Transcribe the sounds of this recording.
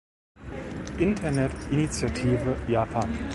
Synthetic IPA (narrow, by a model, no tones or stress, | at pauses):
ʔɪntʰɐnɛtʔinit͡sjatʰiːvəjaːpʰaːn